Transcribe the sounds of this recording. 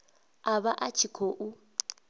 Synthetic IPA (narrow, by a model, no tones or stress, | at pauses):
aβaʔat͡ʃʰikʰoʔu